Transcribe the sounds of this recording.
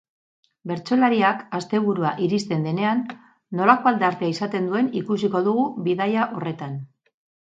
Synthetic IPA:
be̞ɾt͡so̞laɾiakast̪e̞β̞uɾuaʔiɾist̪e̞nd̪e̞ne̞anː | o̞lako̞ald̪eaɾt̪eaisat̪e̞nd̪ue̞nikus̬iko̞ðuɣ̞uβiðajaʔo̞re̞t̪an

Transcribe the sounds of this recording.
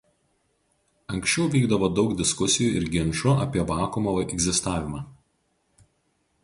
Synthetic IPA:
ɐŋʲksʲt͡ʃʲɛʊʋʲiːɡd̪ɐʋoːd̪ɒʊkd̪ʲɪskʊsʲɪjuɪ̰ɾɡʲɪnʃʊɐ̰pʲiɛʋɑːkʊmoʋʔɛɡzʲɪst̪ɑːʋʲɪmɑː

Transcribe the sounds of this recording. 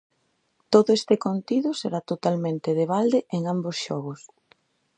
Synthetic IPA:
t̪oðʊest̪ɪkont̪iðʊseɾat̪ot̪almẽnt̪ɪðeβald̪eʔeŋambosʃɔɣ̞ʊs

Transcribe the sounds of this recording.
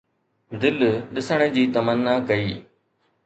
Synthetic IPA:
d̪ɪlɗɪsəɽ̃ə̃d͡ʑiːt̪ɐmənːakɐiː

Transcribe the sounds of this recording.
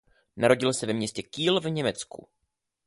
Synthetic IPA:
naɾo̞ɟɪlsɛvɛmɲɛscɛkiːlvɲɛmɛt͡skṵ

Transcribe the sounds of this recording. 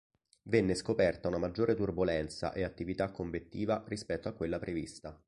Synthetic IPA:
venːeskopɛrt̪aunamad͡ʒːoːɾet̪urbolɛnt̪sa̰ʔeat̪ːivit̪akːoɱbet̪ːiːvaɾispɛt̪ːoakːwelːapɾevist̪a

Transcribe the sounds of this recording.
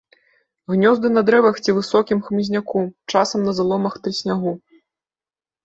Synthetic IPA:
ɣnʲɔzd̪ɨnɐd̪ɾɛvɐxt͡sʲivɨsɔkʲimxmɨzʲnʲakut͡ʂasɐmnɐzalˠɔmɐxt̪ɾɨsʲnʲaɣu

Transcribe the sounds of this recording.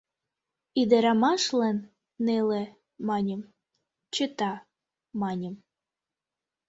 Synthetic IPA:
id̪eɾɑmɑʃlenː | ele | mɑnʲəm | t͡ɕət̪ɑ | mɑnʲəm

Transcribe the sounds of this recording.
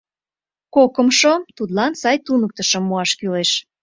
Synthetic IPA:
kokə̆mʃot̪ut̪lɑnsɑjt̪unək̚t̪əʃə̆mːoɑʃkyleʃ

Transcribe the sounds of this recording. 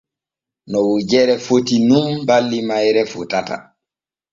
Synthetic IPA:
nɔwud͡ʒɛɾɛfotinumbalːimajɾɛfutata̰

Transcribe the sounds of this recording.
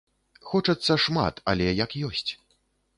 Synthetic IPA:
xɔt͡ʂɐt̪sːɐʂma̰t̪ɐ̰lʲɛjɐkjɔsʲt͡sʲ

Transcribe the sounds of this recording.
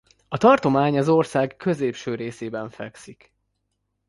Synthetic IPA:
ɒt̪ɒrt̪o̞maːɲɒzo̞rsaːɡkø̞zeːpʃøːɾeːseːbɛɱfɛksik

